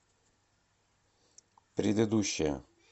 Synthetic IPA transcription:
pɾʲɪd̪ɨd̪uɕːɪjə̰

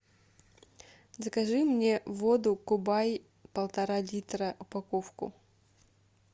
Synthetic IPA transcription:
zəkɐʐɨmnʲevod̪ʊkʊbaj | pɐlˠt̪ɐɾalʲit̪ɾəʔʊpɐkofkʊ̰

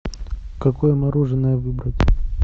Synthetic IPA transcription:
kɐkojəmɐɾuʐɨnːəjəvɨbɾətʲ

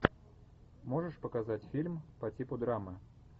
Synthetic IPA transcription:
moʐɨʂpəkazatʲfʲilʲmpɐtʲipʊd̪ɾamɨ

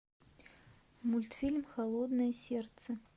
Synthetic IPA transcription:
mulʲt̪fʲilʲmxalˠɔd̪nɐjɐsʲɛrt̪sɐ

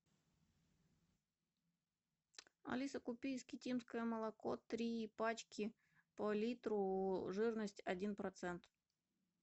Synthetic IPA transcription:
ɐ̰lʲisɐkʊpʲijskʲitʲimskəjəmɐlˠɐkɔt̪ɾʲiːpɑt͡ɕkʲɪ | pɐlʲit̪ɾʊʐɨrnɐsʲtʲɐdʲinpɾɔt̪sɛnt̪

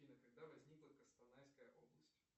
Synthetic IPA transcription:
inəkɐɡd̪avɐzʲnʲiklˠəkəst̪ɐnajʲskəjəʔoblˠəsʲtʲ

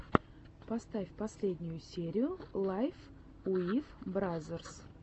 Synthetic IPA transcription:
past̪afʲpɐsʲlʲe̞d̪ʲnʲʊjʊsʲeɾʲɪjʊlˠajf | uifbɾazʲers

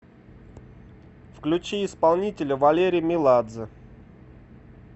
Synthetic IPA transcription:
fklʲʉt͡ɕiɪspalˠnʲitʲɪlʲəvɐlʲeɾʲɪjmʲɪlˠad̪zə

